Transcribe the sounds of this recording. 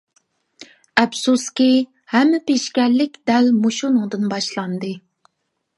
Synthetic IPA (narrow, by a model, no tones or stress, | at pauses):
ɛbsuskʲi | hɛmːɪpeʃkʲɛɾlɪkʲd̪ɛlmuʃunɨŋd̪ɨnbɑʃlˠɑnd̪ɨ